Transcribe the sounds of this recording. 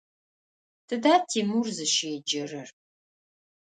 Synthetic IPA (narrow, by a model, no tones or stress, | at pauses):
tʰɨdaːtʰiːmurzɨʃeːd͡ʒɐrɨr